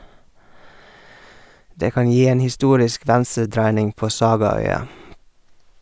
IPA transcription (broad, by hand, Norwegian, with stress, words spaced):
ˈdeː ˈkɑn ˈjiː ˈeːn hɪˈstuːɾɪsk ˈʋænsəˌdɾæɪnɪŋ ˈpoː ˈsɑːɡɑˌœʏɑ